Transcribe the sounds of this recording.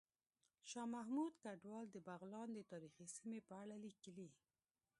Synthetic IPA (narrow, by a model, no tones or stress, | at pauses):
ʃɑmaɦmud̪kaɖwɑld̪əbaɣlɑnd̪ət̪ɑɾixisimepəaɽalikəli